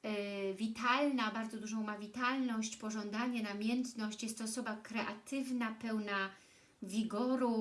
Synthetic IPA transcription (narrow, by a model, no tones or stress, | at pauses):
vʲit̪alnabaɾd̪zɔd̪uʐɔ̃w̃mavʲit̪alnɔɕt͡ɕpɔʐɔnd̪aɲɛnamʲjɛnt̪nɔɕt͡ɕjɛst̪ːɔːsɔbakɾɛʔa̰t̪ʰɘvnapɛwna | vʲiɡɔɾu